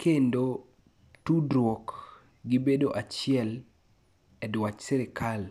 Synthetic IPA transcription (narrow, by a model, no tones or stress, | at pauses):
kʰendo | tudɾwok | ɡibedoʔat͡ʃɪɛl | ɛdwat͡ʃsɛɾɪkʰal